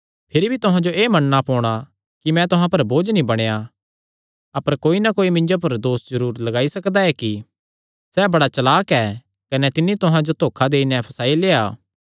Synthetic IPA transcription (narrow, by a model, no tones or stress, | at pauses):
pʰɪɾibʱit̪ʊɦãd͡ʒoʔeːmɐnːapɔːɽ̃a | kimɛ̃t̪ʊɦãpɐɾboːd͡ʒnĩbɐɽ̃eja | ɐpəɾkoːinakoːimɪ̃ɲd͡ʒop̬ɐɾd̪oːsd͡ʒɐɾuːɾlɐɡaːisɐkd̪aɛki | sɛːbɐɽat͡ʃɐlaːkɛː | kɐnɛt̪ɪnːit̪ʊɦãd͡ʒot̪ʰoːkʰad̪eːinɛ̃pʰɐsaːileːaː